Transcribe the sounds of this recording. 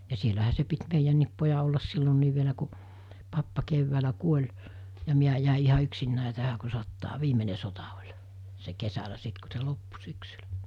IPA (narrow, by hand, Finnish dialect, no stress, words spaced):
jɑ sielæhæ se pit meijænːiːp pojɑ olːɑs silːonːiːʋ ʋielæ ku pɑpːɑ key̆ʋːæːlæ kuolʲ jɑ miæ jæˑe ihɑ yksinːæˑe tæhæ ku sotːɑː ʋiːmene sotɑ olʲ se kesælæ sit ku̞ se lopːu syksylæ̥